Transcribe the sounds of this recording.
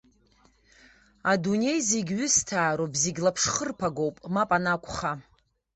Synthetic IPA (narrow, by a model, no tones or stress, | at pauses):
adune̞jzeɡʲɥʏstʰaːɾobziɡʲlapʰʂχərpʰaɡowpʼmapʼanakʷʰʼχa